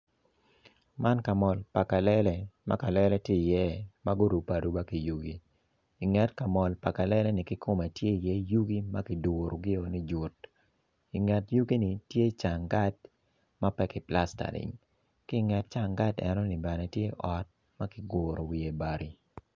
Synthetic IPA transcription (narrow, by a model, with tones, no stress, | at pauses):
ma˦nka˨mɔ˨lpa˨ka˨lɛ˦lɛ˦ma̰˦ka˨lɛ˦lɛ˦tji˦i˨jɛ˦ma˦ɡʊ˦ɾu˨pa˨du˦ba˦ki˨ju˦ɡi˦ | ɪ˨ŋɛ˨tka˨mɔ˨lpa˨ka˨lɛ˦lɛ˦nɪ˨kɪ˦kʰʊ˦mɛ˨tje˦i˨jɛ˦ju˦ɡi˦ma˦kɪ˨du˨ɾo˨ɡɪ˦o˨ni˦d͡ʒu˨t̚ | i˨ŋɛ˨tju˦ɡi˦ni˨tje˦t͡ʃa˨ŋɡa˦t̚ | ma˦pɛ˦kɪ˨pla˦sta̰˨lɪ̰˨ŋ | kɪ˦ŋɛ˨t̚t͡ʃa˦˨ŋɡa˦tɛ̰˨nɔ˦ni˨bɛ˨nɛ˨tje˦ʔɔ˨t̚ | ma˦kɪ˦ɡoːɾo˨wi˨e˨ba˨ɾʔi˨